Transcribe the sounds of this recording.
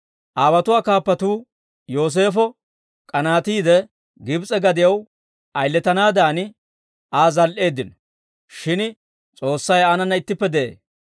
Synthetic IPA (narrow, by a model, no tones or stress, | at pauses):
ʔaːbɐt̪ʊwaːkaːpːɐt̪uː | jo̞ːs̬e̞ːfɔ | kʼɐnaːt̪iːd̪ɛ | ɡɪbt͡sʼɛɡɐd̪ɪjɐw | ʔɐjlːɛt̪ɐnaːd̪aːnɪ | ʔaːzɐlʔe̞ːd̪ːɪnɔ | ʃɪn | t͡sʼo̞ːsːɐjaːnɐnːɐɪt̪ːɪpːɛd̪ɛḛː